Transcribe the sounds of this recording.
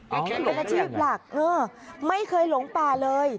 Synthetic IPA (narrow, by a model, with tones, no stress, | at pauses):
a˥˩pe˧nʔaː˧t͡ɕʰiː˥˩p̚la˨˩k̚ʔɤː˧˩ | ma˥˩jkʰɤː˧jlo˨˩˦ŋt̪aː˧˩lɤː˧j